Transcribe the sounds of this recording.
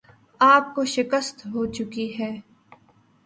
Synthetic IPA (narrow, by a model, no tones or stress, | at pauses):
aːp̚koʃɪkəst̪ɦoːt͡ʃʊkiɦɛː